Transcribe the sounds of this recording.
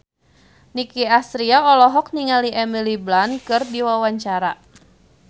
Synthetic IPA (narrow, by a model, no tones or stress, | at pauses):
nikiasɾiaɔlɔɦɔk̚niŋaliʔɛmiliblankɨrdiwawaɲt͡ʃaɾa